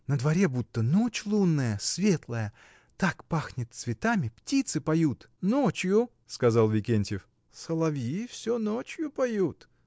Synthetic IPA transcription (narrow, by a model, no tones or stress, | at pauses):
nəd̪vɐɾʲebut̪ːənot͡ɕlˠunːəjəsvʲe̞t̪lˠəjə | t̪akpaxnʲɪt̪svʲɪt̪amʲɪptʲit̪sɨpɐjut̪ | not͡ɕjʊ | skɐzɑlˠvʲɪkʲenʲtʲɪf | səlˠɐvʲifsʲonot͡ɕjʊpɐjut̪